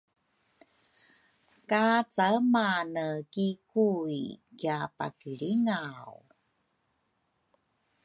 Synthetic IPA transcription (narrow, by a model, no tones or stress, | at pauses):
kat͡saəmanəkikuikjapa̰kiɭiŋaw